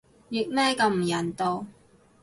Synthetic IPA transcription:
ji˨k̚mɛː˥kɐ˧mm̩˨˩jɐ˨˩nt̪o˧w

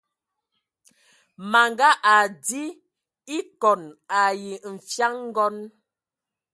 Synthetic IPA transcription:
ma˨ŋɡa˦ʔa˨di˦ | i˦kɔ˨na˨ji˨m̩˨fja˦ŋŋ̩˦ɡɔ˦n

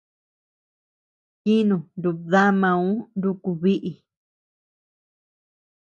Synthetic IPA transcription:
ki˦nũ˨ndu˧ða˦mã˧ũ˦nd̪u˧ku˧βi˦ʔi˧˨

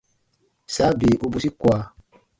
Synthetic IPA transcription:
sa˨˦be˨ʔo˦bu˦si˦kwaː˨˦

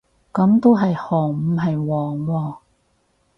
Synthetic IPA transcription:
kɐ˨˥mt̪o˥wɦɐ˨jhɔː˨˩ŋm̩˨˧ɦɐ˨jwɔː˨˩ŋwɔː˧

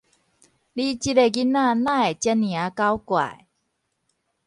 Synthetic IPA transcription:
li˦t͡ɕi˧te˨ɡi˦nːã˥˧˨nã˥˧˨e˨˩t͡ɕɛ˧˦nːj̃ã˨˦ka˦wkwa̰˨˩˨j

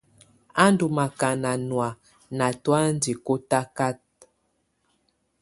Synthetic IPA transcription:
a˦ndu˨ma˨ka˨na˨nwa˨ | na˨twa˦n˦di˨ko˦ta˦ka˦t̚

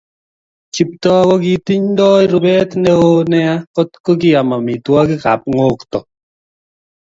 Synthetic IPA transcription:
t͡ʃi˨p̚tɔ˦kɔ˦ki˦ti˦ɲn˦dɔ˦jɾu˨bɛ˦tnɛ˦o˦nɛ˦a˦kɔ˦tkɔ˦k̬i˦a˨ma˨mi˨twa˦ki˦ka̰˨p̚ŋo˦ktɔ˨

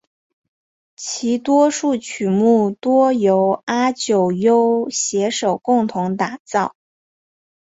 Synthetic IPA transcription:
t͡ɕʰi˧˥t̪wɔ˥ʂu˥˩t͡ɕʰy˨˩mu˥˩t̪wɔ˥jo˧˥ʊa˥t͡ɕjo˨˩ʊjo˥ʊɕjɛ˧˥ʂo˨˩ʊkʊ˥˩ŋt̪ʰʊ˧˥ŋt̪a˨˩t͡sɑ˥˩ʊ

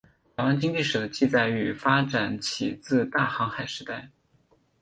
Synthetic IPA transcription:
a˨˩ɪwa˥nt͡ɕi˥ŋt͡ɕi˥˩ʂɻ̩˨˩d̪ə˦t͡ɕi˥˧t͡sa˥˩ɪy˨˩fa˥ʈ͡ʂa˨˩nt͡ɕʰi˨˩t͡sɹ̩˥˧t̪a˥˩xɑ˧˥ŋxa˨˩ɪʂɻ̩˧˥t̪a˥˩ɪ

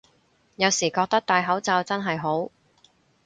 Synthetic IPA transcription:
jɐ˨˧wsiː˨˩kɔː˧k̚t̪ɐ˥k̚t̪aː˨˧jɦɐ˨˥wt͡saː˧wt͡sɐ˥nɦɐ˨jɦo˨˥w

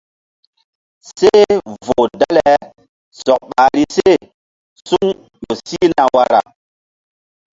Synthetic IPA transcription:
se˦vo˨da˦le˨ | sɔ˨k̚ɓaː˨ɾi˦se˦˨ | su˦ŋ | jo˨si˦na˨wa˦ɾa̰˨

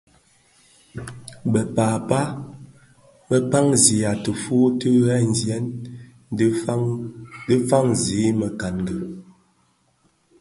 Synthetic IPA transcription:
bə˨paː˨pa˦ | mə˦pa˦ŋzi˨˦a˨tə˨fu˦tə˦ɣɛ˦n̩˨zjɛ˦n˦ | də˦fa˦ŋziː˨˦mə˨ka˨nɡə˨

